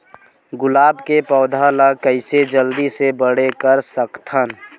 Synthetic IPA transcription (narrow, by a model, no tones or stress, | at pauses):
ɡʊlaːbkepɔːd̪ʱalakəɪsed͡ʒəld̪isebəɽekəɾsəkt̪ʰən